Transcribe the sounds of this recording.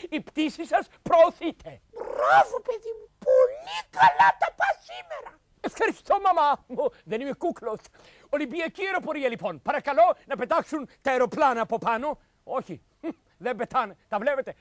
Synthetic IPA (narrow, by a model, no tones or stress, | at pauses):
ipt̪isisɐs | pɾoːθit̪ʰe̞bɾavopeðimupolikɐlat̪ɐpɐsimeɾɐ | efxɐɾist̪omɐmɐmuðenimekuklos | olimbiɐcieɾo̞po̞ɾiɐlipo̞npɐɾɐkɐlo̞nɐpe̞t̪ɐksunt̪ɐeɾoplɐnɐːpopɐno | oçḭ | ðembet̪ɐnt̪ɐvlepet̪e